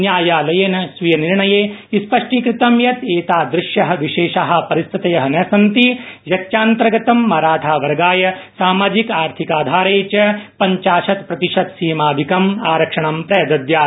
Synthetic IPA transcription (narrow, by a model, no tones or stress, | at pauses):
njaːjaːlɐjeːnɐsʋijɐniɾɳɐjeːispɐʂʈiːkɾɪt̪ɐmjɐt̪eːt̪aːd̪ɾɪʃjɐɦɐ̆ʋiʃeːʃaːɦɐ̆pɐɾist̪ʰit̪ɐjɐɦɐnɐsɐnt̪ijɐtt͡ʃaːnt̪ɾɐɡɐt̪ɐmːɐːɾaːʈʰaːʋɐɾɐɡaːjɐsaːmaːd͡ʒikaːɾt̪ʰikaːd̪ʱaːɾeːt͡ʃɐpɐɲt͡ʃaːʃɐt̪pɾɐt̪iʂɐt̪siːmaːd̪ʱikɐmaːɾɐkʂɐɳɐmpɾɐjɐd̪ɐd̪jaː